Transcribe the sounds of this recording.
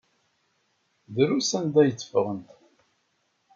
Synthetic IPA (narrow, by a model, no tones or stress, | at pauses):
ðɾusænd̪æjət͡sːə̥fəʁənt̪